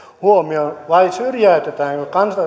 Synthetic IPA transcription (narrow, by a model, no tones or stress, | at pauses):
huomionʋɑisyrjæyt̪et̪æːŋkokɑnsɑ